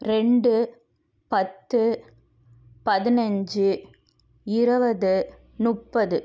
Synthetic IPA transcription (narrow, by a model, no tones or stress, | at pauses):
ɾɛɳɖɯ | pɐt̪ːɯ | pɐðɪnɐɲd͡ʒɯ | ɪɾɯʋɐðɯ | nʊʈpːɐðɯ